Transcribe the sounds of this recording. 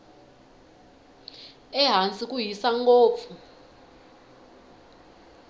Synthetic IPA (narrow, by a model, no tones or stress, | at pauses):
ɛɦant͡sʼik̬ʼujisaŋkʼoːp̪fu